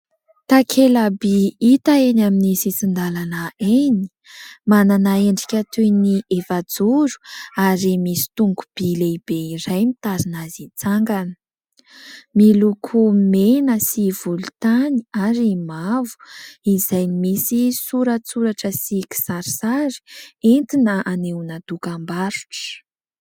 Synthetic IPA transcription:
t̪akʰelabiit̪aenaminisisind̪alanəeni̥ | mananaeɳɖ͡ʐikʲat̪ʰujniʔefad͡zuɾu̥aɾimisi̥t̪uŋɡub̥ileib̥eiɾajmit̪aɾinazit͡saŋɡanə̥ | milukʰumenəsivulut̪ani̥aɾimavu̥izajnimisisuɾət͡suɾaʈ͡ʂəsiki̥saɾi̥saɾi̥ent̪inəaneunad̪ukambaɾu̥ʈ͡ʂə̥

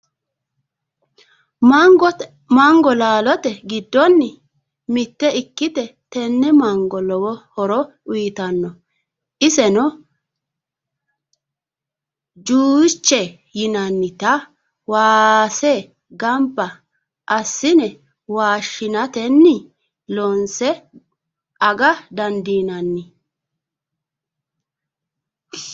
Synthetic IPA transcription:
mŋɡ | maŋɡɔlaːlɔt̪ɛɡɪd̪ːɔnːɪ | mɪt̪ːɛɪkːɪt̪ɛt̪ɛnːɛmɐŋɡɔlɔwɔhɔɾɔ | ʊjɪt̪ɐnːɔ | ʔɪsɛnɔ | d͡ʒuːt͡ʃːɛ | jɪnɐnːɪt̪ɐ | waːsɛ | ɡɐmpːɐ | ʔɐsːɪnɛ | waːʃːɪnɐt̪ɛnːɪ | lɔnsɛ | ʔɐɡɐd̪ɐnd̪iːnɐnːɪ

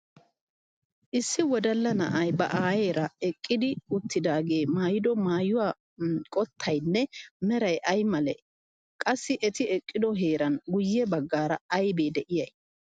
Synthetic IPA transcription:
ʔɪsːɪwɔd̪ɐlːɐnɐ̰ʔɐjbɐ̰ʔaːjeːɾɐɛkʼːɪd̪ɪʊt̪ːɪd̪aːɡe̞ːmaːjɪd̪ɔmaːjʊwaː | kʼɔt̪ʰːɐjnːɛmɛɾɐjʔɐjmɐlɛ | kʼɐsːɪʔɛt̪ɪɛkʼːɪd̪ɔɦe̞ːɾɐnɡʊjːɛbɐɡːaːɾɐɐjbeːd̪ɛʔɪjɐj

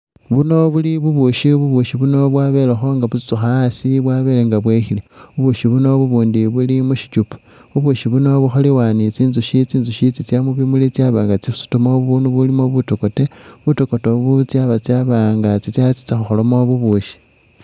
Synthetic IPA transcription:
βuno̞βuliβuβuʃiβuβuʃiβuno̞βwaːβe̞ːlexo̞ŋɡaβut͡si̥t͡suxasiβwaːβe̞ːleŋɡaβweːxileβuβuʃiβuno̞βuβuːndiβulimuʃi̥t͡ʃupu̥ | βuβuʃiβuno̞βuxoliwanit͡siːnzuʃit͡siːnzuʃit͡sit͡sjamuβimulit͡sjaβaːŋɡat͡sisu̥tumoβuβuːnuβulimoβutokoteβutoko̞toβut͡sjaβat͡sjaβaŋɡat͡sit͡sjat͡si̥t͡saxuxolomoβuβuʃi̥

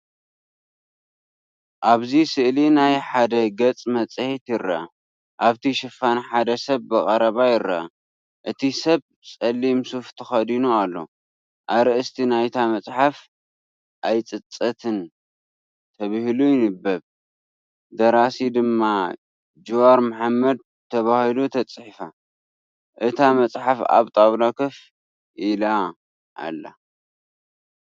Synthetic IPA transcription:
ʔaβzisɨʔlinajħad̪ɐɡɐt͡sʼmɐt͡sʼhit̪jɪɾɐa | ʔaβt̪ʰiʃɨfanħad̪ɐsɐβːɨkʼɐɾɐβajɪɾaa̰ | ʔɨt̪ʰisɐβ | sʼɐlːimsuft̪ʰɨxɐd̪inualːo̞̰ | ʔaɾɨʔɨst̪ʰinajt̪ʰamɐt͡sʼħaf | ʔajt͡sʼɨt͡sʼːɐt̪ʰɨn | t̪ʰɐβɨhlujɪnɨbːɐβ | d̪ɐɾasid̪ɨmːa | d͡ʒuwaɾmaħamːɐd̪̚ | t̪ʰɐβahilut̪ʰɐt͡sʼħifa | ʔɨt̪ʰamɐt͡sʼħafa̰βt̪ʼaβnakʰɐf | ʔila | ʔa̰lːa̰

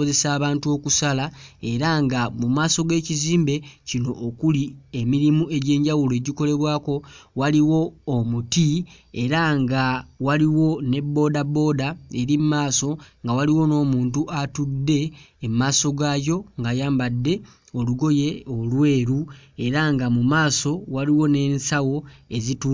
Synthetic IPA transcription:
oze̞saːβaːntuo̞kusalae̞ɾaŋɡamumaːso̞ɡe̞ːciziːmbe̞cino̞ʔːkuliemiɾimue̞ɟe̞ːɲɟawule̞ːɟiko̞le̞βwaːko̞waliwo̞ːmuti | e̞ɾaŋɡawaliwo̞ne̞bːo̞ːdabo̞ːdae̞ɾimumaːso̞ŋɡawaliwo̞no̞ːmuːntuʔatudːe̞ːmmaːso̞ɡaːjo̞ŋɡajaːmbadːe̞ | oluɡo̞je̞olwe̞ːɾue̞ɾaŋɡamumaːso̞waliwo̞ne̞nsawo̞e̞zitu

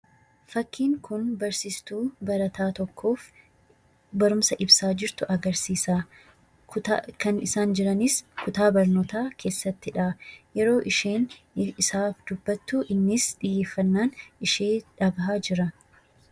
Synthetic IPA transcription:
fɐkːiːŋkʊnbɐɾsɪst̪uːbɐɾɐt̪aːt̪ɔkʰːo̞ːf | bɐɾʊmsɐʔɪbsaːd͡ʒɪɾt̪ʊʔɐɡɐɾsiːsaː | kɐnɪsaːnd͡ʒɪɾɐnɪskʊt̪aːbɐɾnoːt̪aːkʰe̞ːsːɐt̪ːɪᶑɐjɛɾo̞ːʔɪʃeːn | ɪsaːfd̪̥ʊbːɐt̪ːuʔɪnːɪsᶑɪjːeːfːɐnːaːnɪʃeːᶑɐbɦaːd͡ʒɪɾɐ

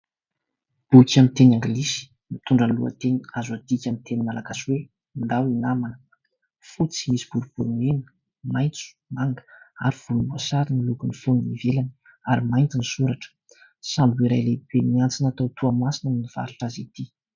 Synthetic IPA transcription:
b̥ukʲamint̪enaŋɡlisi̥ | mit̪uɳɖ͡ʐanlṵa̰t̪eniazuad̪̥ikʲamit̪eninalakaswe | ind̪awinamanə | fut͡simisi̥b̥uɾub̥uɾunenə̥ | majnt͡su̥maŋɡə̥a̰ɾiv̥ulumbuasaɾinilukunifonnivelan | aɾimajnt̪inisuɾaʈ͡ʂə̥ | sambuiɾajleb̥emiant͡sinat̪at̪ʰuamasinaminiv̥a̰ɾuʈ͡ʂazit̪i

